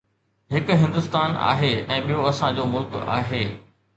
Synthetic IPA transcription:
ɦɪkʊ̆ɦɪ̃nd̪ʊst̪aːna̰ːɦeɛ̃ːɓijoɐsãd͡ʑoːmʊlka̰ːɦeː

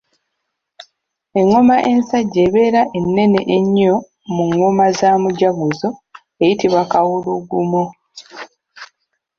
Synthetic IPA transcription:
e̞ŋːo̞maʔe̞nsaɟːeβe̞ːɾaʔe̞nːe̞neʔeɲːo̞ | muŋːomazamuɟaɡuzo̞ | e̞jitiβakawuluɡumo

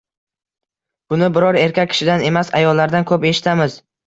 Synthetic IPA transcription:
b̥ʊnɪbɪɾɒɾe̞ɾkʲakʲʰːɪ̥ʃɪd̪ane̞masajɒlːaɾd̪ankʰɵpe̞ʃɪ̥t̪ʰamɪz

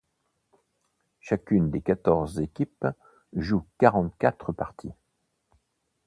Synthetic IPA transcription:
ʃakʲynd̪ekat̪ɔʁzːekʲip | ʒukaʁɑ̃t̪kat̪χəpaʁt̪ʰi

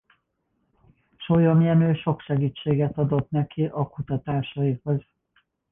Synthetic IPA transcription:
ʃo̞jomijɛnøːʃo̞kʃɛɡiːt͡ʃːeːɡɛt̪ɒd̪o̞t̪nɛkʰiʔɒkut̪ɒt̪aːʃɒiho̞z

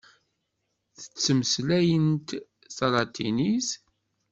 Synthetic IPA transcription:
θə̥t͡sːəməslæjənt̪ | sɑlɑt̪ʰinis

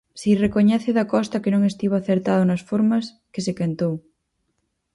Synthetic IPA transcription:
sirekoɲɛθeðakɔst̪akenõŋest̪iβaaθeɾt̪aðonasfoɾmas | kesekent̪ow

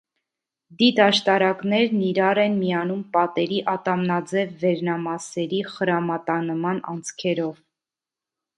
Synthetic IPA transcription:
d̪id̪ɑʃt̪ɑɾɑknɛɾniɾɑɾɛnmijɑnumpɑt̪ɛɾiʔɑt̪ɑmnɑd͡zɛvːɛɾnɑmɑsɛɾiχəɾɑmɑt̪ɑnəmɑnɑ̰nt͡sʰkʰɛɾɔv

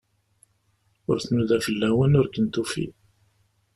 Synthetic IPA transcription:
ʊ̰ɾθnuðæfəlːæwənʊɾkənt̪ufḭ

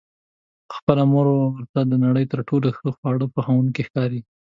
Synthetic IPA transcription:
xpəlamoɾowəɾt̪ad̪ənaɽəjt̪əɾʈʰoloxəxpɑɽəpəxawunokexkɑɾi

